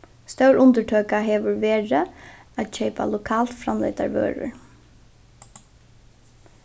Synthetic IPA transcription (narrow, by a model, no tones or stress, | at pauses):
st̪œwɹʊnt̪əʈʰøːkaɦeːʋʊɹʋeːɹəat̪ʃɛɪpa̰lʊkʰɑːlt̪fɾamlɛ̰ɪt̪aɹʋø̰ːɹʊ̰ɹ